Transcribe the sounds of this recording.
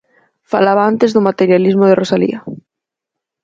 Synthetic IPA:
falaβaant̪ezðʊmat̪eɾjalizmʊð̞erosalḭɐ

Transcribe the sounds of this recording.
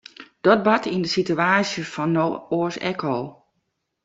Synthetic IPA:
d̥ɔt̚batʰindəsityaːsjəfɔnːooːsɛ̰kʰoː

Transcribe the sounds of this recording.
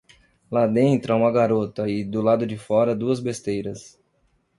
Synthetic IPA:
lad̪ẽnt̪ɾʊaũmɐɡaɾot̪ɐɪd̪ʊlad̪ʊd͡ʒɪfɔɾɐd̪uɐzbest̪ejɾɐs

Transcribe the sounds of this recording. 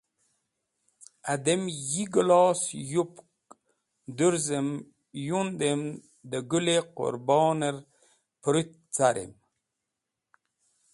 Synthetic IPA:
ad̪emjiɡlɔːsjup | d̪uɾzəm | jund̪em | d̪əɡʉleqʊ̰ɾbɑːnəɾ | pɾyt̪̚ | t͡saɾʔḛm

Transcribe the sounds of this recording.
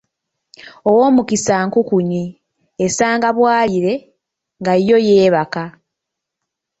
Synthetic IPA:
o̞wo̞ːmukisaːŋkukuɲi | esaːŋɡaβwaːliɾe̞ | ŋɡajo̞je̞ːβaka

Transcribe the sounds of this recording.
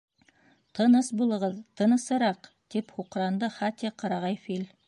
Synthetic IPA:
t̪ʰɤnɤsbulˠɤ̆ʁt̪ʰɤ̆nɤ̆sɤɾɑq | t̪iphuqɾɑnd̪ɤχat̪ʲeqʰɑɾɑʁɑjfil

